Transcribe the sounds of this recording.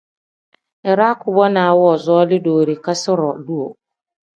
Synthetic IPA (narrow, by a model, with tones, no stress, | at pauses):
ɛ˨ɾa˦kʊ˨bɔ˦nã˨wɔ˦˨zɔ˦ɔ˦lɪ˦doː˨ɾi˨ka˦sɪ˦ɾɔ˨du˦o˨